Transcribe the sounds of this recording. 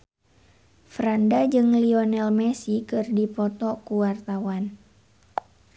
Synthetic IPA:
fɾandad͡ʒɨŋliɔnɛlmɛsikɨrdipɔt̪ɔkuwart̪awan

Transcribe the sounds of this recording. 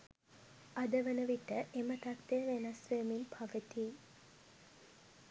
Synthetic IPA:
ad̪əʋənəʋiʈəʔemət̪akt̪eʋenɐsʋeminpʰaʋət̪iː

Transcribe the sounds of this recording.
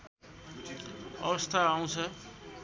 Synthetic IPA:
ʌwʌst̪ʰaːũt͡sʰʌ

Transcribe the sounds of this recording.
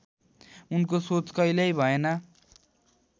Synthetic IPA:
unkosot͡skʌjlʌjbʱʌenʌ

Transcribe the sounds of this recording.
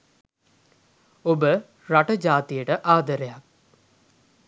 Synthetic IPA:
obə | ɾaʈəd͡ʒaːt̪ijəʈəʔaːd̪əɾejak̚

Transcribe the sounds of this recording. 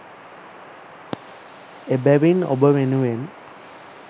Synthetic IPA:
ebæʋino̰bəʋenuʋen

